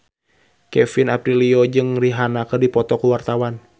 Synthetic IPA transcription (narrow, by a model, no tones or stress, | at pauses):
kɛfinapɾiliod͡ʒɨŋriɦanakərdipɔt̪ɔkuwart̪awan